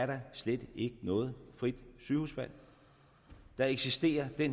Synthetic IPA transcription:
æɐɾɑ̈sled̥e̝ɡ̥ənɔ̽ːð̞̩ˠfʁid̥syːhṵsb̥æl̰ | d̥ɑ̈e̝ɡ̥sisd̥e̝̰ːɐd̥en

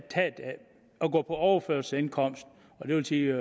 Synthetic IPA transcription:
t͡sʰɛ̰ːd̥ | ɒɡ̥ɔ̰̽ːpʰɒ̽ɒʊɐføɐlsəenkʰɒ̽m̰sd̥ | ɒ̽d̥e̝ʋe̝lsiː

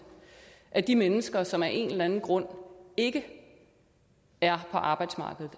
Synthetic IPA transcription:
ʔæd̥imenəsɡ̥ɐsɒ̽mæʔe̝nlænn̩ɡ̥ʁɔ̽n̰e̝ɡ̥ə | æɐpʰɒ̽ʔɑ̈ːb̥ɑ̈ɪd̥smɑ̈ːɡ̥əð̩ˠ

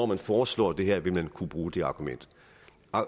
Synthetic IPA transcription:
ɒ̰ːmænfɒːslɒ̰ːd̥e̝ɦɛɐ̰ʋe̝lmænkʰub̥ʁuːd̥e̝ɑ̈ːɡ̥umen̰d̥

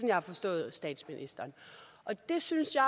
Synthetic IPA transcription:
ɒnjɑ̈hɑ̈fɒ̽sd̥ɔ̰̽ːð̞̩ˠsd̥ɛ̰ːd̥sminʔisd̥ɐːnʔɒ̽d̥e̝synsjɑ̈

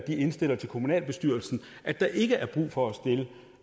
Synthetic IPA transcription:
d̥ie̝nsd̥e̝l̰ɐt͡sʰe̝lkʰo̝munɛ̰ːlb̥e̝sd̥yɐ̰l̩sn̩ʔæd̥ɑ̈ʔe̝ɡ̥əʔæɐb̥ʁṵːfɒ̽æsd̥e̝lə

